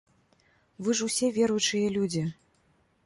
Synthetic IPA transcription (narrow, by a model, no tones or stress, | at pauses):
vɨʐusʲɛvʲɛɾujt͡ʂɨjɐlʲud͡zʲi